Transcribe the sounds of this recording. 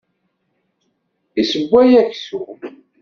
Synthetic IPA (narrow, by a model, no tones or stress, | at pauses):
isəɡʷːæjæçsu